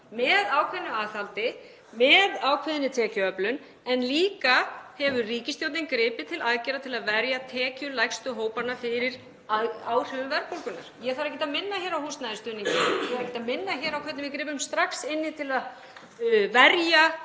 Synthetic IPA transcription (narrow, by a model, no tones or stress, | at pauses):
mɛðaːwkʰvɛnːʏaːðθalt̪ɪ | mɛðaːwkʰvɛðɪnːɪt̪ʰɛːcʏœplʏn | ɛnliːkahɛvʏriːcɪst̪jowt̪nɪŋkɾɪːpɪt̪ʰɪlaðcɛɾat̪ʰɪlaðvɛɾjat̪ʰɛːcʏlajxst̪ʏɦoːwpaɾnaɾfɪɾɪɾ̥ | aaːwr̥œvʏmvɛɾpowlkʏna̰ɾ̥jɛɣθaɾɛcːɛt̪amɪnːaçɛːɾawhuːst̪najðɪst̪ʏːniŋcɪjɛaɾɛhcːɛt̪amɪnːaçɛːɾawkʰvɛt̪nɪmvɪkɾɪːpʏmst̪ɾaksɪnːɪt̪ʰɪlað | vɛɾja